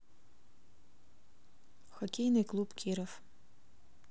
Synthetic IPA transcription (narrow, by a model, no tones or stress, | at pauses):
xɔkʲejnɨjklˠupkʲʰiɾɔf